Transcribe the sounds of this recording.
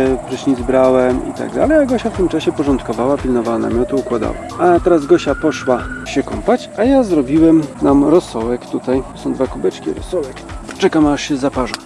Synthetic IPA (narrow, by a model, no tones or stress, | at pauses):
ɛprɛɕɲizbɾawɛmḭt̪a̰ɡ̚d̪a̰lɛjaɡɔɕaft̪ɘmt͡ʂaɕɛpɔʐɔnt̪kɔvawapʲilnɔvawana̰mʲjɔt̪uukwad̪a̰wa̰at̪ɛɾazɡɔɕapɔʂwaɕɛkɔmpat͡ɕajazɾɔbʲiwɛmnamɾɔsːɔwɛkt̪ut̪aj̪ɔsɔ̃w̃d̪vakubɛt͡ʂkʲiɾɔ̰sɔwɛkt͡ʂɛkamaʂɕɛzapaʐa